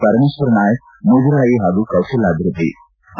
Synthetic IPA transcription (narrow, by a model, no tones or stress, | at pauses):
pɐɾmeːʃʋɐɾnaːjək̚ | muːd̪ɾaːjiɦaːɡukɐwʃɐlaːbʱiɾud̪ːḭ